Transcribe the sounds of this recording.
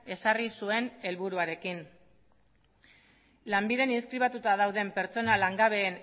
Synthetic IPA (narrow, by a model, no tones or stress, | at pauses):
e̞sarisue̞ne̞lβuɾuaɾe̞kin | lambiðe̞ninskɾiβ̞at̪ut̪að̞awðe̞mpe̞ɾt͡so̞nalaŋɡaβe̞ːn